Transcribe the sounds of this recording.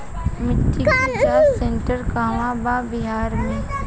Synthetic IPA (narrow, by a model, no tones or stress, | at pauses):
mɪʈːiasẽɳʈəɾkaːmãbabɪɦaːɾmẽ